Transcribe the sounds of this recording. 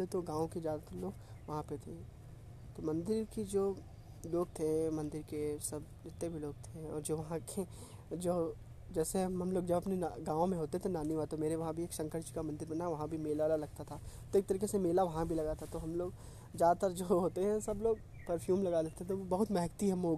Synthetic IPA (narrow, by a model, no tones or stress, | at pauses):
et̪oɡãːʋõkezjaːd̪at̪ɐɾloːɡʋɐɦãpet̪ʰe | t̪omɐ̃nd̪ɪɾked͡ʒoː | loːɡ̚t̪ʰemɐ̃nd̪ɪɾkesɐbd͡ʒɪt̪ːebʱiloːɡ̚t̪ʰeɔ̰ːɾd͡ʒoːʋɐɦãke | d͡ʒoː | d͡ʒɛːseɦɐmloːɡd͡ʒɐbɐpnenɡãːʋõmẽɦoːt̪eɦt̪ʰenaːniʋat̪omeːɾeʋɐɦãbʱieːksɐ̃ŋkəɾt͡ʃkamɐ̃nd̪ɪɾbɐnaʋɐɦãbʱimeːlʋaːlalɐɡ̚t̪at̪ʰat̪oeːk̚t̪ɐɾiːkesemeːlaʋɐɦãbʱilɐɡat̪ʰat̪oɦɐmloːɡ | zjaːd̪at̪əɾd͡ʒoːɦoːt̪eɦɛ̃sɐbloːɡ̚ | pɐɾfʰjuːmlɐɡad̪eːt̪eɦɛ̃t̪oʋobɐɦʊt̪mɛɦk̚t̪iɦɐmoːɡ